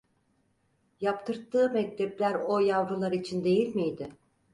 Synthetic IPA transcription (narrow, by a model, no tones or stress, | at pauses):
japt̪ʰɯɾt̪ʰːɯːmɛc̚t̪ʰɛplʲæɾo̞javɾɯlˠaɾit͡ʃʰind̪e̞jilʲmijd̪ɪ